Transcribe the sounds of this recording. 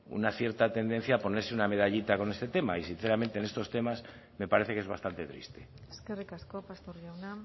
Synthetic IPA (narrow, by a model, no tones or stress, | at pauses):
ṵnaθje̞ɾt̪at̪e̞nd̪e̞n̟θjaːpo̞ne̞ɾseuname̞ð̞aʎit̪akonest̪e̞t̪e̞ma̰isin̟θeɾament̪ene̞st̪o̞st̪e̞mas | me̞paɾeθe̞kezβast̪ant̪et̪ɾḭst̪e̞skerikaskopast̪oɾʝawnam